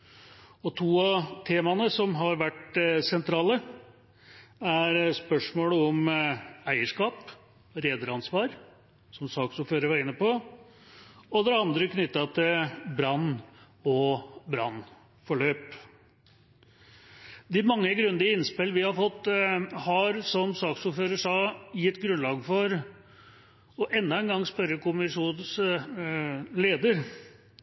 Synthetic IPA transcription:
ɔt̪ʰuːɑt̪ʰeːmɑnəsɔmɦɑɾʋæʈsɛnt̪ʰɾɑːlə | æɾspœʂmoːləɔmæɪəʂkɑːp | ɾeːd̪əɾɑnsʋɑːɾ | sɔmsɑːksɔføːɾəʋæɾɪnːəpɔ | ɔd̪ɛɑnd̪ɾəkʰnʏt̪ːɑt̪ʰɪlbɾɑnː | ɔbɾɑnː | fɔɭøːp | d̪ɪmɑŋːəɡɾʉnd̪ɪəɪnspɪlʋɪhɑɾfɔt̪ːhɑɾsɔmsɑːksʊːɾføːɾəʂɑːjɪt̪ːɡɾʉnlɑːɡfɔɾ | ɔʔɛnːɑɛnɡɑŋːspœɾːəkʰʊmɪʂuːns | leːd̪əɾ

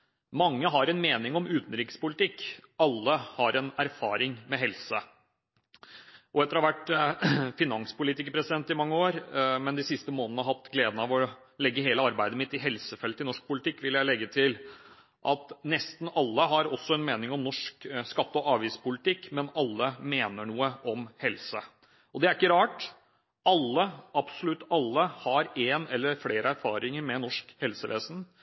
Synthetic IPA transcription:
mɑŋːəɦɑɾɛnmeːnɪŋɔmʉːt̪n̩ɾiːkə̥spʊlɪt̪ɪkːɑlːəhɑɾɛnæɾfɑːɾɪŋmɛɦɛlsə | ʔɔɛt̪əɾhɑʋæʈː | fɪnɑŋspʊliːt̪ɪkəpʰɾɛsɪd̪ɛnt̪ːɪmɑŋːəoːɾmɛnd̪ɪsɪst̪əmoːnənəɦɑt̪ːɡleːd̪nɑʋɔ | lɛɡːəɦeːləɑɾbæɪd̪əmɪt̪ːɪɦɛlsəfɛlt̪ːɪnɔʂk̚pʊlɪt̪ɪkːʋɪljæɪlɛɡːət̪ʰɪl | ʔɑt̪nɛst̪n̩ɑlːəɦɑɾɔsːɔɛnmeːnɪŋɔmnɔʂkskɑt̪ːɔʔɑːʋiːspʊlɪt̪ɪkːmɛnɑlːəmeːnəɳuːəʔɔmhɛlsə | ɔd̪ɛæɾɪkːəɾɑːʈ | ʔɑlːəɑb̥sɔlʉt̪ːɑlːəhɑɾeːnɛlːəɾfleːɾəæɾfɑ̰ːɾɪŋəɾmɛnɔʂkhɛlsəʋḛːsn̩

